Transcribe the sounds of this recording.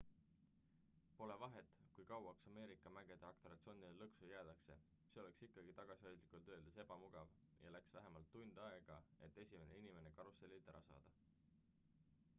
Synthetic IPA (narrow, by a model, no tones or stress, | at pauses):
po̞le̞vɑɦe̞t̪ːˑkujkɑwɑksɑme̞ːɾikːˑɑmæɡ̥e̞d̪̥eɑkt̪oɾɑt̪so̞nid̪elɤksujæːd̪̥ɑkse̞ | se̞o̞le̞ksikːˑɑɡ̥it̪ɑɡ̥ɑsiho̞jd̪likˑult̪ø̞ːld̪ese̞b̥ɑmuɡ̥ɑv | jɑ̰læksvæɦemɑlt̪ːund̪̥ɑe̞ɡ̥ɑe̞t̪ːˑe̞sʲime̞ne̞inime̞ne̞kɑɾusːelʲit̪æɾɑsɑ̰ːd̪̥ɑ